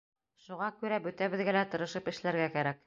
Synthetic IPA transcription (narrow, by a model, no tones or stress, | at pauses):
ʃuʁɑkʉɾæbɵt̪æβɘ̆ðɡælæt̪ɤ̆ɾɤ̆ʃɤpɘ̆ʃlæɾɡækæɾæk